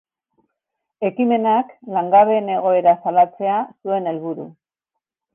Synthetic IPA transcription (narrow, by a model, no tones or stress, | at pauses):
e̞kime̞naklaŋɡaβe̞ne̞ɣ̞o̞e̞ɾasalat͡se̞asue̞ne̞lβuɾṵ